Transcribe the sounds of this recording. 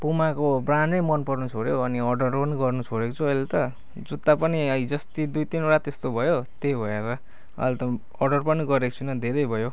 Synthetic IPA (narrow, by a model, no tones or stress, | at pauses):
pumakobrannʌjmʌnpʌrnut͡sʰoɽjoʌniʌrɖʌrpʌniɡʌrnut͡sʰoɽekot͡sʰuʌjlet̪ʌ | d͡zut̪ːapʌniʌid͡zʌst̪id̪ujt̪inoɽat̪est̪obʱʌjot̪ejbʱʌeɾʌ | ʌ̰jlt̪ʌ | ʌrɖʌrpʌniɡʌɾeko̥t͡sʰunʌd̪ʱeɾʌjbʱʌjo